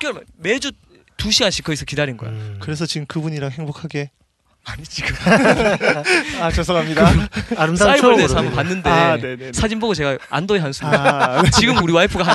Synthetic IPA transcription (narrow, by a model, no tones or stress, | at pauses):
kʌmme̞d͡ʑu | tuɕ̬ʰiɡanɕʰikʌisʰʌkidaɾinɡʌjo̰kɯɾe̞sʰʌt͡ɕiɡɯmkɯbuɲiɾaŋhe̞ŋbokʰaɡe̞ | aɲit͡ɕiɡ | at͡ɕʌsʰʌkʰamɲidaaɾɯmdaaioɭdesʰampanːɯndesʰad͡ʑinboɡot͡ɕe̞ɡaa̰ndojeɦansʰumt͡ɕiɡɯmuɾiwaipʰɯɡaɦa